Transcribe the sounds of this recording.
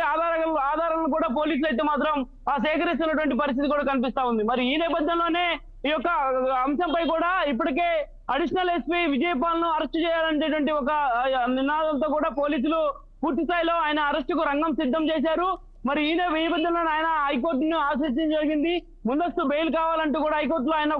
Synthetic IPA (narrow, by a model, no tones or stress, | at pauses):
aːd̪aːaːd̪ʱaːɾɐnluk̬uːɽaːpo̞ːliːs̬ulɐjt̪eːmaːt̪ɾɐm | aːsɛːkɐɾis̬t̪unːɐʈuʋɐɳʈ̬ipɐɾis̬t̪it̪ikuːɽaːkɐnipist̪aːund̪imɐɾiiiːnɛːpɐd̪ʱjɐnlo̞ːne̞ː | iːjɔkːɐɐmʃɐmpɐjkuːɽaːip̬ːuʈike̞ː | ɐɽiʂɐnɐlespiʋid͡ʒɐjɐpaːlɐnuɐɾɐsʈt͡ʃɛːjaːlɐnd͡ʒeːʈuʋɐɳʈiɔkɐninaːd̪ɐnt̪o̞ːkuːɽaːpo̞ːliːs̬ulu | puːɾt̪ist̪aːjlo̞ːaːjɐnɐːɾɐsʈukuɾɐŋɡɐmsid̪ʱːɐmt͡ʃɛːs̬aːɾu | mɐɾiiːnɛːipɐd̪ʱːjɐnlo̞ːnaːjɐnɐɦɐjk̬o̞ːɾʈ̬niaːsiːt͡ʃɐnd͡ʒɐɾiɡind̪i | mund̪ɐst̪ube̞jlukaːʋaːlɐɳʈuːkuːɽaːɦɐjk̬oːɾʈ̬loːaːjɐnɐ